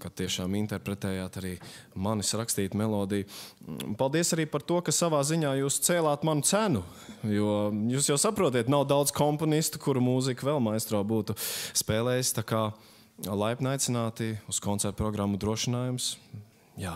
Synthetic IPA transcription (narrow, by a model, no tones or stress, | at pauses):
kat̪ːiɛʃaːmint̪ɛɾpɾɛt̪ɛːjaːt̪aɾiːmanisɾakst̪iːt̪mɛlˠɔːd̪ijupalˠd̪iɛəsaɾiːpaɾt̪uɔkasaʋaːziɲaːjuːst̪sɛːlˠaːt̪manʊt̪sænʊ | jujuːsjawsapɾuɔt̪̬iːt̪nawd̪awd̪z̥kɔmpɔnist̪u̥kuɾumuzikʋɛlˠmajst̪ɾɔːbuːt̪uspɛːlˠɛːjst̪akaː | lˠajpnajt̪sɪnaːt̪iuskɔnsɛɾt̪̚pɾɔɡɾamːud̪ɾuɔʃɪnaːjums | jaː